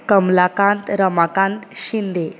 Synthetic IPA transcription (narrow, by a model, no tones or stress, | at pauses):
kəmlakãnt̪ɾəmakãnt̪ɕind̪e